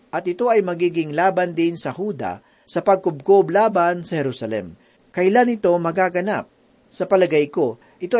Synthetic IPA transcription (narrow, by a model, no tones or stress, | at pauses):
ʔɐt̪̚ʔɪt̪o̞ʔɐjmɐɡiːɡɪŋlaːbɐnd̪ɪnsɐhuːd̪ɐ̰ | sɐpɐɡ̚kʊb̚koblaːbɐnsɐhɛɾusɐlɛ̰m | kɐʔɪlanɪt̪o̞mɐɡaːɡɐna̰p̚ | sɐpɐlɐɡajko̞ | ʔɪt̪o̞